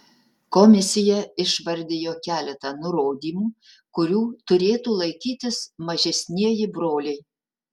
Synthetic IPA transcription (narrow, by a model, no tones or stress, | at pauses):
kɔmʲɪsʲɪjɛɪʃʋɐɾʲd̪ʲejoːkʲæːlʲɛt̪ɐnʊɾoːd̪ʲiːmuː | kʊɾʲuːt̪ʊɾʲeːt̪uːlˠɐɪkʲiːt̪ʲɪsmɐʒʲɛsʲnʲiɛjɪbɾoːlʲɛɪ